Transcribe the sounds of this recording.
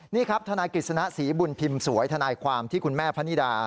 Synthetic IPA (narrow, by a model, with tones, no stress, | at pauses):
niː˥˩kʰɾa˦˥p̚t̪ʰa˧naː˧jkli˨˩t̪̚sa˧na˦˥ʔsiː˩˦bu˧npʰi˧msu˨˩˦əjt̪ʰa˧naː˧jkʰwaː˧mt̪ʰiː˥˩kʰu˧nmɛː˥˩pʰa˦˥ni˦˥daː˧